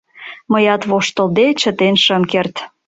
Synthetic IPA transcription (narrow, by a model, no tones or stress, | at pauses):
məjɑt̪βoʃt̪ə̆ld̪et͡ɕə̆t̪enʃə̆mkert̪